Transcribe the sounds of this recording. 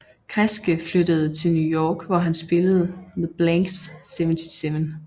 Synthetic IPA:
kʰʁɛsɡ̥əflød̥əð̞ˠət͡sʰe̝lnjujɒːɡ̥ʋɒɦænsb̥e̝ləð̞̩ˠəmeðˠb̥læŋɡsːeʋənt͡sʰiseʋən

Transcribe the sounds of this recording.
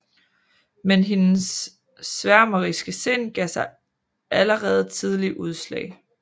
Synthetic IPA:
menɦe̝nsː | ʋæɐmɐʁisɡ̥əse̝nɡ̥ɛsɑ̈ɪ | ʔæləʁɛːð̞̩ˠt͡sʰið̞ˠliʔuð̞ˠslɛ̰ːɪ

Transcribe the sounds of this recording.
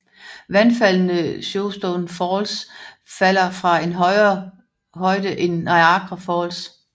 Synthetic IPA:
ʋænfæl̰nəɕoʊsd̥ɔnfɒːls | fæl̰ɐfʁɑ̈en | hɒ̽ɪd̥əʔe̝nɑ̈ɪɑ̈ɡ̥ʁɐfɒːls

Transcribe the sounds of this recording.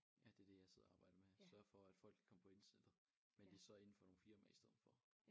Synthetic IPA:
jæd̥e̝ɐd̥e̝jɑ̈ɪseð̰ˠɐɑ̈ːb̥ɑ̈ɪd̥əmesɶɐfɒ̽æd̥fɒ̽l̰ɡ̥kʰɒ̽məpʰɒ̽e̝nsed̥ˠ | mend̥e̝ɐsɒ̽e̝n̩fɒ̽no̝nfiɐmæɐisd̥ɛð̰̩ˠfɒ

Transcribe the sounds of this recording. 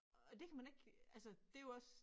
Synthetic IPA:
ɒd̥e̝kʰæmæne̝ɡ̥ælsəd̥e̝joɒ̽s

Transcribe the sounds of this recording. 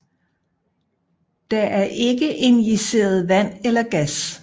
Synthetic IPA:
d̥ɑ̈ʔæɐʔe̝ɡ̥əʔe̝njise̝̰ːɐð̞ˠʋæn̰elɐɡ̥æs

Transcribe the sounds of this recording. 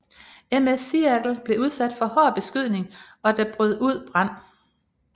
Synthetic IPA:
emesiæɡ̥l̩b̥le̝uð̞ˠsæd̥fɒ̽hɒːb̥e̝sɡ̥yðˠne̝ŋ | ɒ̽d̥æb̥ʁyð̞̰ˠuð̞̰ˠb̥ʁɑn̰

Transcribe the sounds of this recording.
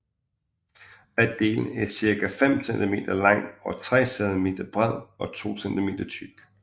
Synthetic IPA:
æd̥e̝̰ːln̩æɐsiɐkæfem̰send̥ʰime̝̰ːd̥ɐlɑ̈ŋ̰ɒ̽t͡sʰʁɛ̰ːsɛðˠme̝̰ːd̥ɐb̥ʁɛð̰ˠɒ̽t͡sʰo̝̰ːsend̥ime̝̰ːd̥ɐt͡sʰyɡ̥

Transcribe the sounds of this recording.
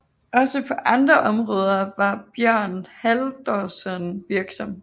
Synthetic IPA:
ɒ̽səpʰɒ̽ʔɑ̈nd̥ʁɐʔɒ̽mʁɔ̽ːð̞ˠɐʋɑ̈b̥jɶɐ̰nhæld̥ɒsənʋiɐɡ̥sɒ̽me

